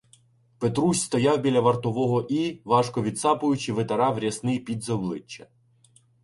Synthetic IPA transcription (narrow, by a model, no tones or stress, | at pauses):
pet̪ɾusʲst̪ɔjɑwbʲilʲɐʋɐrt̪ɔʋɔɦɔʔiʋɑʃkɔʋʲid̪sɑpʊjʊt͡ʃɪʋet̪ɐɾɑʋɾʲɐsnɪjpʲid̪zɐblˠɪt͡ʃːɐ̰